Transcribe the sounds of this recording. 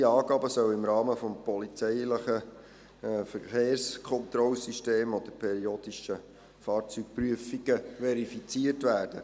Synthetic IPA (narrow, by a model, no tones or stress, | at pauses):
iɑːɡ̥ɑːbəsœwɪmɾɑːməfɔmpɔlit͡sɛɪləχə | fəχeːrskʰɔnt̪ɾɔlsyʃteːmod̥̪əpʰɛɾioːd̥̪iʃə | fɑːɾt͡syːk̚pryəfiɡ̥əʋɛɾifit͡siətvæːrd̥ə